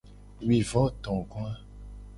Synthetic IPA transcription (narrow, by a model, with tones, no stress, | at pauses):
wi˨vɔ˦t̪ɔ̃˨kũ˦a˦